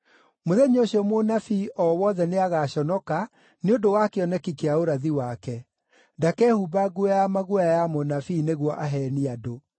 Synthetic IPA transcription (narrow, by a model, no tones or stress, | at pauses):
moðɛɲoɕiɔmonafiʔɔwɔðɛneaɣaɕɔnɔka | neondowakeɔnɛkikeaoɾaðiwakɛ | dakɛhubaɡujamaɣuaajamonafiːneɣwɔʔaɦɛniado